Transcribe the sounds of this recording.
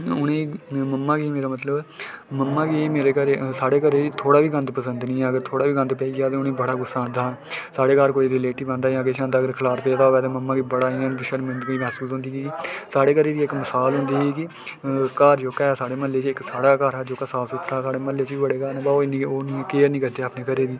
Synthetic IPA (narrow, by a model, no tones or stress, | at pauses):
ʊnẽːməmːãːkiːmeːɾaːmət̪ləbməmːaːkieːmeːɾeːkəɾeːsaːɽeːkəɾeːd͡ʒiːt̪ʰoːɽaːʋiːɡə̃nd̪pəsənd̪nĩːɛːəɡəɾt̪ʰoːɽaːʋiːɡə̃nd̪pɛːiːɡaːt̪ẽʊnẽːbəɽaːɡʊsːãːnd̪aː | saːɽeːkaːɾkoːiːɾɪleːʈiːbə̃ːnd̪aːãːəɡeːʃãːnd̪aːəɡəɾkʰəlaːɾpeːd̪aːoːʋɛːt̪ẽːməmːãːɡiːbəɽaːiːãːʃəɾmənd̪ɡiːmɛːsuːsɦʊ̃nd̪iːɡiːkɪsaːɽeːkəɾeːdiːɪkməsaːlɦʊ̃nd̪iːɡiːkɪ | kaːɾd͡ʒoːkɛːsaːɽeːməleːt͡ʃɪksaːɽaːkaːɾaːd͡ʒoːkaːsaːsʊt̪ʰɾaːsaːɽeːməleːt͡ʃiːbəɽeːkaːɾnãbaoːɪniːoːniːkeːɾnĩːkəɾd̪eːaːpneːkəɾeːd̪iː